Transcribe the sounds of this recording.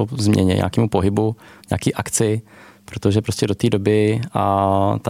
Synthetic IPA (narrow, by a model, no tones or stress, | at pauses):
ozmɲɛ̰ɲɛ̰ɲʔa̰ːkiːmupoɦɪbuɲa̰ːkiːʔakt͡sɪ | pɾot̪oʒɛpɾo̞scɛdo̞t̪iːdo̞bɪat̪a